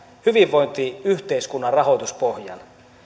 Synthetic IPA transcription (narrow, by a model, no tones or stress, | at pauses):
hyʋiʋːo̞jnt̪iyht̪e̞iskunːɑrrɑɦo̞jt̪uspo̞hjɑ̰n